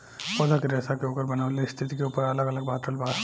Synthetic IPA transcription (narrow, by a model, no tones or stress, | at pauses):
pɐd̪ʱəkeɾeːsakeoːkəɾbɐnaʋleɪst̪ʰɪt̪ikeuːpəɾɐləɡələɡ̚bʱaːt̪ɾəlba